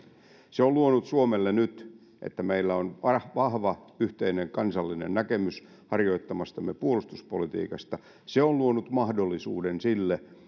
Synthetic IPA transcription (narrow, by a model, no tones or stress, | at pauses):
seolluonut̪suomelːenyt̪ | ʔḛt̪ːæmeilːæonɑhʋɑhʋɑyht̪eineŋkɑnsɑlːinḛnnækemys | hɑrjoit̪ːɑmɑst̪ɑmːepuolust̪uspolit̪ḭːkɑst̪ɑ | seolluonut̪mɑhdolːisuːdensilːe